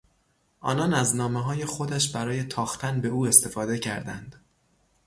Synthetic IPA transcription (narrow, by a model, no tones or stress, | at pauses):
ʔɒ̰ːnɒnæznɒːmeɦɒːje̞xo̞d̪æʃbæɾɒːje̞t̪ʰɒːxt̪ʰænbe̞uːe̞st̪e̞fɒːd̪e̞cʰæɾd̪æ̰nd̪̥